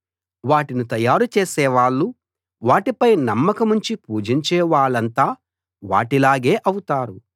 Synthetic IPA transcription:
ʋaːʈinut̪ɐjaːɾut͡ʃeːsɛːʋaːɭːu | ʋaːʈipɐjnɐmːɐkɐmuɲt͡ʃipuːd͡ʒiɲt͡ʃɛːʋaːɭɐnt̪aː | ʋa̰ːʈilaːɡe̞ːʔɐwut̪aːɾu

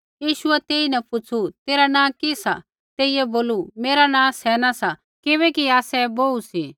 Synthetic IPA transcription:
jiːʃʊɛt̪eːinɛ̃pʊt͡sʰut̪eːɾanãːkisa | t̪eːijɛboːlumeːɾanãːsɛːnasa | kɪβɛkiaːsɛboːusi

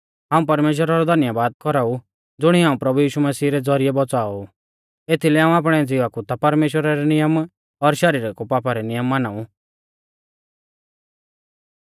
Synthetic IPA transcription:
ɦãːũp̬ɐɾmeːʃ̬wəɾaɾɔd̪ʱɐnjabaːd̪̚kɔɾau | d͡zʊɽ̃iɦaːũpɾɐbujiːʃumɐsiːɾɛd͡zɔɾijɛbɔt͡saːɔ | et̪ʰilɛɦãːũaːp̬ɽ̃ɛd͡ziʋakut̪apɐɾmeːʃwəɾaɾɛnɪjəm | ɔɾʃɐɾiːɾakupaːpaɾɛnɪjəmːanaːũ

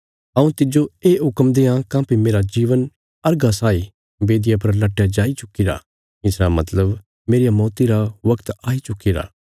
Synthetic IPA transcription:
ɐ̃ũt̪ɪd͡ʒoeːɦʊkəmd̪eːãkãːpʰimeːɾad͡ʒiːʋən | ɐɾɡasaːi | beːd̪ɪjapɐɾlɐʈːjad͡ʒaːit͡ʃʊkːiɾa̰ | ɪsɾamɐt̪ləb | meːɾijamɔːt̪iɾaʋɐkt̪aːit͡ʃʊkːiɾa̰ː

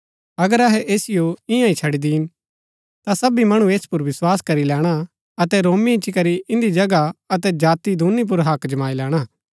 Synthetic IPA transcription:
ɐɡəɾɐɦɛʔeːsɪjoɪ̃jãit͡ʃʰɐɽid̪in | t̪asɐbimɐɽ̃ũeːspʊɾʋɪswaːskɐɾilɛːɽ̃a | ɐt̪ɛɾoːmiɪt͡ʃikɐɾiʔɪ̃nd̪id͡ʒɐɡaɐt̪̬ɛd͡ʒaːt̪id̪ʱuːnip̬ʊɾɦɐkd͡ʒɐmaːilɛːɽ̃aː

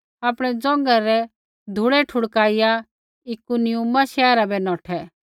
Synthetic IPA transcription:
aːpɽ̃ɛd͡zɔ̃ŋɡaɾɛ | d̪ʱuɽɛʈʰʊɽkaːɪja | ɪkunɪjumaʃɛːɾabɛnɔːʈʰɛ

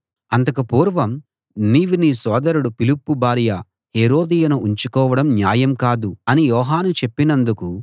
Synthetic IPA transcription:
ɐnt̪ɐkɐpuːɾʋɐm | niːʋiniːsɔːd̪ɐɾuɽupilupːubaːɾjɐ | heːɾo̞ːd̪ijɐnuʔːɲt͡ʃukɔːʋɐɽɐmnjaːjɐmkaːd̪uɐnijɔːɦaːnut͡ʃe̞pːinɐnd̪uku

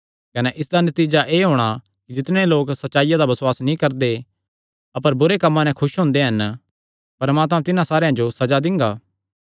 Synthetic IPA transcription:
kɐnɛʔɪsd̪anɐt̪iːd͡ʒaʔeːɦoːɽ̃a | kid͡ʒɪt̪ɽ̃eloːksɐtːʃaːɪjad̪abɐswaːsnĩkɐɾd̪e | ɐpəɾbʊɾekɐmːãnɛ̃kʰʊʃɦʊ̃ːnd̪eɦɐn | pɐɾmaːt̪mãt̪ɪnãsaːɾejãd͡ʒosɐd͡ʒad̪ɪ̃ŋɡaː

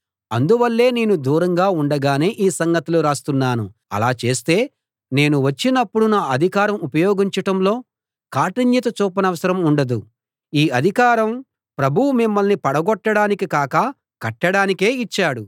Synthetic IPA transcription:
ɐ̰nd̪uʋɐlːe̞ːneːnud̪uːɾɐŋɡaːuɳɖɐɡaːne̞ːʔiːsɐŋɡɐt̪uluɾaːst̪unːaːnuɐ̰laːt͡ʃe̞ːst̪e̞ː | ne̞ːnuʋɐt͡ʃːinɐpːuɽunaːɐd̪ʱikaːɾɐmupɐjoːɡiɲt͡ʃɐʈɐmlo̞ː | kaːʈiɲjɐt̪ɐt͡ʃuːp̬ɐnɐʋɐsɐɾɐmuɳɖɐd̪u | iːɐd̪ʱikaːɾɐm | pɾɐbʱuwumimːɐlnipɐɽɐɡɔʈːɐɽaːnikikaːkɐ | kɐʈːɐɽaːnike̞ːit͡ʃːaːɽu

